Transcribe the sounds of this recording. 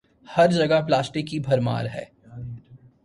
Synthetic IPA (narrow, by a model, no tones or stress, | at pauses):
hɐɾd͡ʒɐɡaplaːsʈɪkːibʱɐɾma̰ːɾɦɛ̰ː